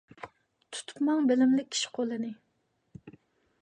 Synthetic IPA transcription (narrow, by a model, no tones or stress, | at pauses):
t̪ʰu̥t̪ʰu̥pmɑŋbɪlɪmlɪk̚ʲʰːi̥ʃi̥qʰolˠɨnɪ